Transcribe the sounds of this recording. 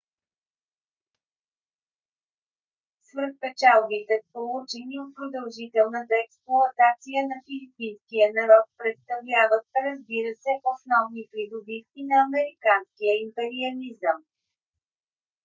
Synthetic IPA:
svəɾt̪̚pɛt͡ʃalˠbit̪ɛt̪polˠut͡ʃɛniot̪̚pɾod̪əlˠʒit̪ɛlˠnət̪əɛksplˠoɐt̪at̪sijənɐfilipinskijənɐɾɔt̪̚pɾɛt̪st̪ɐvlʲavət̪̚ɾəzbiɾəsɛʔosnɔvnipɾid̪obifk̪inɐːmɛɾikanskijəimpɛɾiɐlizəm

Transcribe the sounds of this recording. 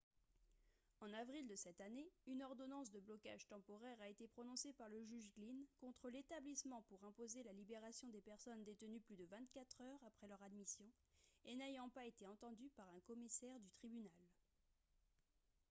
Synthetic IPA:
ɑ̃navʁild̪əsɛt̪aneynɔʁd̪ɔnɑ̃s̬d̪əblɔka̰ʒ̥t̪ɑ̃pɔʁɛʁaet̪epχɔnɔ̃sepaʁləʒyʒɡlinkɔ̃t̪χəlet̪ablismɑ̃puʁɛ̃pozelalibeʁasjɔ̃d̪epɛʁsɔnd̪et̪ənyplyd̪əvɛ̃t̪̚kʲat̪χœʁapχɛlœʁad̪misjɔ̃ | enejɑ̃paet̪eɑ̃t̪ɑ̃d̪ypaʁɛ̃kɔmisɛʁd̪yt̪χibynal

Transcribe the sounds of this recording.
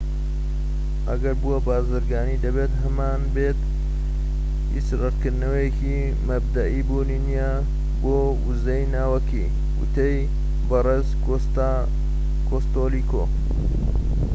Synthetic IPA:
ʔɐ̰ɡɐɾbuwɐbaːzɨɾɡaːnid̪ɐbet̪ɦɐmaːnbet̪ | hḭsrɨɾkɨɾd̪nɐwɐjeki | mɐb̚d̪ɐʔibuninija | boː | wuzɐjnaːwɐkḭ | wṵt̪ej | bɐreːz | kʰost̪oːliko

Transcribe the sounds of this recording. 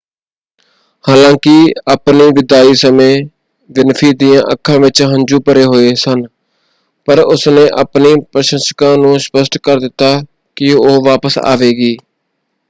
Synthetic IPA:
haːlãːkɪəːpniːʋɪd̪aːiːsəmẽː | ʋɪnpʰiːd̪ijãːʔəkʰːãːʋɪt͡ʃɦənd͡ʒuːpəɾeːɦoːeːsən | pəɾʊsnẽːʔəpniːpɾəʃə̃nsə̥kãːnũːspəsʈkəɾd̪ɪt̪ːaː | kɪoːʋaːpəsa̰ːʋeːɡiː

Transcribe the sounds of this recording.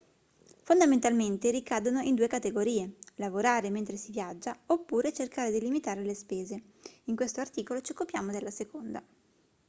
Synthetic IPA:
fond̪ament̪alment̪eɾikaːd̪onoind̪uːekat̪eɡoɾiːelavoɾaːɾement̪ɾesivjad͡ʒːaopːuːɾet͡ʃerkaːɾed̪ilimit̪aːɾelespeːze | iŋkwest̪oart̪iːkolot͡ʃiokːupjaːmod̪elːasekond̪a̰

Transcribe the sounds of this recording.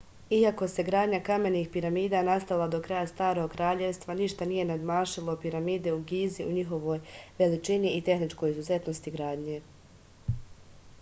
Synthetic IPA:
iako̞se̞ɡɾaːd̪ɲakame̞nixpiɾamiːd̪anast̪alˠad̪o̞kɾajast̪aːɾo̞ɡkɾaːʎe̞ʋst̪ʋaniʃt̪anije̞nad̪maːʃilˠo̞piɾamiːd̪e̞uɡiːziʔuɲixo̞ʋo̞ːjʋe̞lit͡ʃiniit̪e̞xnit͡ʃko̞jizuze̞t̪no̞st̪iɡɾaːd̪ɲe̞

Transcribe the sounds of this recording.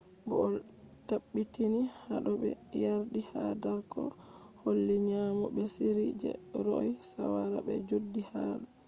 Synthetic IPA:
bɔ | taɓːitinihaɗɔɓɛ̰ | jaɾdihadaɾkʰɔ̰ | holːiɲamɔbɛsiɾid͡ʒɛ̰ɾɔjsawaɾabɛd͡ʒudːihaɗɔ

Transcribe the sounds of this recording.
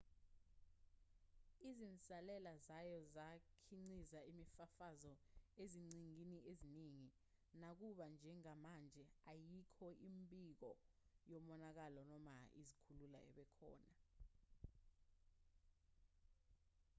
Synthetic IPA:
izint͡sʼalɛlazajɔzakʰiŋ͡ǀizaimifafazɔeziŋ͡ǀiŋiniʔeziniŋi | nak̬uɓand͡ʒʱɛŋamand͡ʒʱɛajikʰɔʔimbʼik̬ɔ | jɔmɔnak̬alɔnɔmaḭzikʰulula̰ʔɛ̰ɓɛkʰɔ̰ːna

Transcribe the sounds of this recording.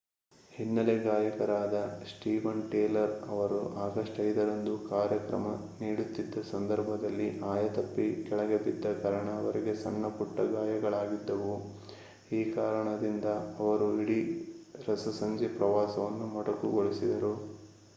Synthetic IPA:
hinːɐleɡaːjɐkɐɾaːd̪ɐsʈiːʋɐnʈeːlɐɾɐʋɐɾṵʔaːɡɐʂʈɐjd̪ɐɾɐnd̪ukaːɾjɐkɾɐ̰mɐ | niːɽut̪ːid̪ːɐsɐnd̪ɐɾbʱɐd̪ɐlːiʔaːjɐt̪ɐpːikɛɭɐɡebid̪ːɐkɐɾɐɳaʋɐɾiɡesɐnːɐpuʈːɐɡaːjɐɡɐɭaːɡid̪ːɐʋu | iːkaːɾɐɳɐd̪ind̪ɐːʋɐɾuiɽiɾɐsɐsɐɲd͡ʒepɾɐʋaːsɐʋɐnːumɐɽɐkuɡoɭisid̪ɐɾu

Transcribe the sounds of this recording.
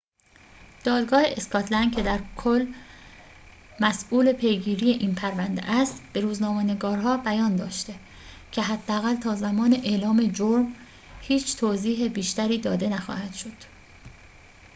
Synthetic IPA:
d̪̥ɒːd̪ɡɒːheʔeskʰɒːt̪ʰlæn̚cʰe̞d̪æɾkʰolː | mæsʔuːle̞pʰe̞jɡiːɾije̞ʔiːnpʰæɾvænd̪ḛʔæst̪b̥e̞ɾuːznɒːmene̞ɡɒːɾɦɒːbæjɒːnd̪ɒːʃt̪e | cʰe̞ɦæd̪ːeæɣælt̪ʰɒːzæmɒːneʔelɒːme̞d͡ʒoɾm | hiːt͡ʃʰt̪ʰoːziːɦebiːʃt̪æɾiːd̪ɒːd̪e̞næxɒ̰ːhæd̪̥ʃo̞d̪̥

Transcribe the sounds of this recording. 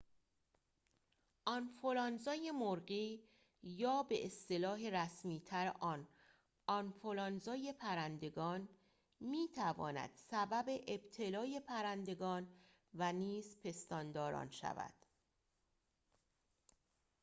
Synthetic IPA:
ʔɒnfolɒːnzɒːje̞moɾɢiː | jɒːbe̞ʔest̪e̞lɒːɦeɾæsmiːt̪ʰæɾʔɒːn | ɒnfolɒnzɒːje̞pʰæɾænd̪e̞ɡɒːn | miːt̪ʰævɒ̰ːnæ̰d̪̥sæbæbe̞ʔebt̪ʰe̞lɒːje̞pʰæɾænd̪e̞ɡɒːn | væniːzpʰe̞st̪ɒːnd̪ɒːɾɒ̰ːnʃæ̰væ̰d̪̥

